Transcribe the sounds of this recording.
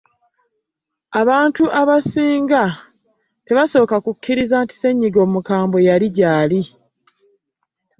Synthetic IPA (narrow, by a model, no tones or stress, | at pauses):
aβaːntuʔaβasiːŋɡa | te̞βaso̞ːkakukːiɾizaːnti̥se̞ɲːiɡo̞ːmukaːmbo̞jaliɟaːli